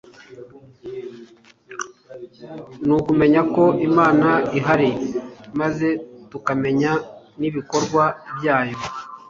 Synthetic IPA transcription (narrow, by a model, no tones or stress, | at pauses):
nuːkume̞ɲako̞ʔimaːnaiɦaɾimaze̞tukame̞ɲa | niβiko̞ɾɡwabjaːjo̞